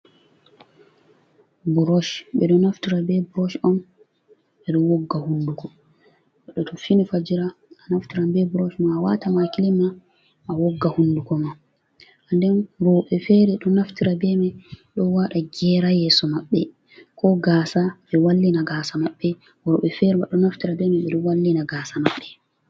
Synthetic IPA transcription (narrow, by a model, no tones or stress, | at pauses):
buɾɔʃɓɛɗɔnaftiɾabɛbuɾɔʃɔm | ɓɛɗɔwɔɡːahundukɔ | ɛɗɔtʰɔfinifad͡ʒiɾaː | naftiɾabɛbuɾɔʃmaːwatamakilima | ʔːwɔɡːahundukɔma | ʔandɛnɾɔɓɛfɛɾɛɗɔnaftiɾabɛmɛɗɔwaɗaɡɛɾajɛsɔmaɓːɛ | kɔɡasaɓɛwalːinaɡaːsamaɓːɛ | wɔɓɛfɛɾɛmaɗɔnaftiɾabɛmɛɓɛɗɔwalːinaɡaːsamaɓːɛ